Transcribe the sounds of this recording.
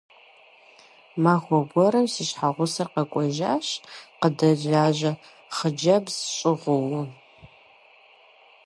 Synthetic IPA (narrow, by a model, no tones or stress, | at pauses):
maːxʷɔbʷɔɾɐmsiʃħaʁʷʊsɐqɐkʷʼɔʒa̰ːɕqədɐʒaːʑɐ | χəd͡ʒɐbzɕʼɪʁʷʊwʊ